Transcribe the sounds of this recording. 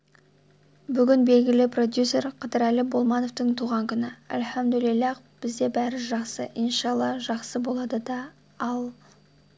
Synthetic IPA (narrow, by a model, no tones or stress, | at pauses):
bʏɡʲɪnbe̞lɡʲɪlɪpro̞d̪jusʲe̞rqʰɑd̪əɾælɪbo̞lˠmɑnoft̪əɴt̪ʰuʁɑŋkʲʰʏnɪæ̰lħæmd̪ʏlɪlːɑq | b̥ɪzd̪e̞bæɾɪʒɑqsəʔijnʃɑlˠːɑʒɑqsəbo̞lˠɑd̪əd̪ɑ | ɑlˠ